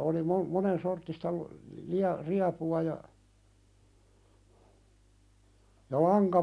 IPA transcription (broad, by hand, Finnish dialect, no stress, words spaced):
oli mon monensortːistɑ lŏ liɑ riɑpuɑ jɑ jɑ lɑŋkɑ